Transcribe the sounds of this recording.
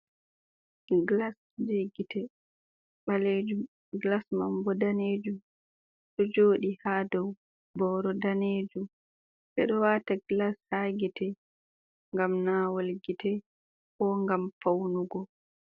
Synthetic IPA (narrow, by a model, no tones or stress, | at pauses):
ɡlas | d͡ʒeɡitɛ | ɓaled͡ʒu | ɡlasmambɔdaned͡ʒum | ɗɔd͡ʒoːɗihadɔw | bɔːɾɔdaneːd͡ʒum | ɓɛ̰ɗɔwaːtaɡlashaɡitɛ | ŋɡamnaːwolɡitɛ | ɔŋɡamfawnuɡɔ